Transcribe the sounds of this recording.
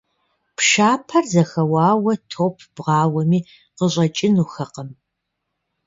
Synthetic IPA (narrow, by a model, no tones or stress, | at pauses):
pʂaːpʰɐrzɐxɐwɑːwɐtʰoːpʰb̥ʁɑːwɐmiː | qəɕʼɐt͡ʃʼɪnuxɐqəm